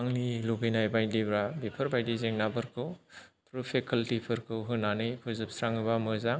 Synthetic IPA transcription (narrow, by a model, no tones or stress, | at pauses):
aŋniluɡɯjnajbajdibɾabipʰɯɾbajdizeŋnabɯɾkʰɯpɾupʰekʰɯltipʰɯɾkʰɯwɦɯnanɯjpʰɯzɯp̚sɾaŋɯbamɯza